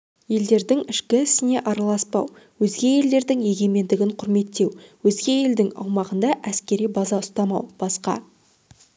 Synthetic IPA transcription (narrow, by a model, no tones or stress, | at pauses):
je̞ld̪e̞ɾd̪ɪŋɪʃkʲɪɪsɪne̞ʔɑɾɑlˠɑspɑw | wɵzɡʲe̞je̞ld̪e̞ɾd̪ɪŋje̞ɡʲe̞me̞nd̪ɪɡʲɪɴqʰʊɾme̞t̪ːe̞wwɵzɡʲe̞je̞ld̪ɪŋɑ̰wmɑʁənd̪ɑʔæskʲe̞ɾijbɑzɑʊst̪ɑmɑwb̥ɑsqɑ̰